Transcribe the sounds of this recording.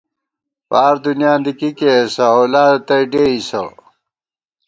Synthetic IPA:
paːɾd̪unjãːnd̪ikikesɐolaːt̪ɐjɖeisɐ̰

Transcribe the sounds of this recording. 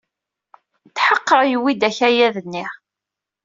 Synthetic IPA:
t͡sːħəqːəʁjəwid̪æçæjæðənːiʁ

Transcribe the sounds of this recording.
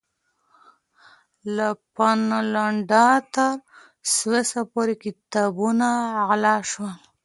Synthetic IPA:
lapanalaɳɖɑt̪aɾ | swesapoɾekɪt̪ɑbunaɣlɑʃwal

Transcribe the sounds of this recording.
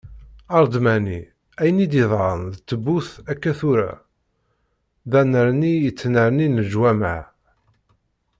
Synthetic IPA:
ɑɾˤd̪mæni | æjənid̪iðˤɑnðt͡sːəbːuθækːæθʊɾæ̰ | ðænəɾnijət͡sːnəɾninəʒwæma

